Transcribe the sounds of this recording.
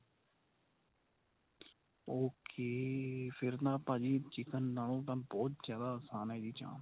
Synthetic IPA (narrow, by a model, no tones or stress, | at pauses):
oːkʰeːpʰɪɾt̪ãːpaːd͡ʒiːt͡ʃɪkənːaːlõːt̪ãːbɔːt̪zjaːd̪aːəsaːnad͡ʒiːt͡ʃã̰ːn